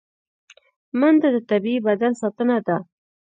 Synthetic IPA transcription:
mand̪ad̪ət̪abiibad̪ansɑt̪ənad̪a

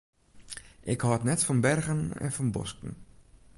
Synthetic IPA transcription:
ʔɪkhɔətnɛtfɔnbɛrɣənɛ̰nfɔnbɔ̰skn̩

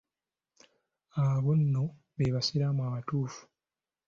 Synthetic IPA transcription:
aβonːo | βeβasiɾamwaːβatuːfu̥

